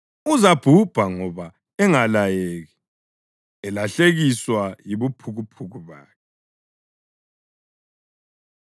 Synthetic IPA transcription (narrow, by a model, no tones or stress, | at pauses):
uzab̥ʱub̥ʱaŋɔβa | ɛŋalajeːɣɛ | ɛlaɬeɣiswajiβupʰuɣupʰuɣuβaːkʰɛ